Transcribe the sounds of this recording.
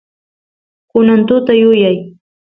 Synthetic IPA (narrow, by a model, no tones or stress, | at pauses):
kʊnant̪ʊt̪ajʊjaj